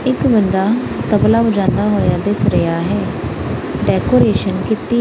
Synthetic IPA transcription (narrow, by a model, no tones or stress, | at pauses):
ɪkbənd̪aː | t̪əblaːʊd͡ʒãːnd̪aːɦoːɪjaːd̪esɾəjaːɦɛː | ɖɛːkoːɾeːʃənkɪt̪iː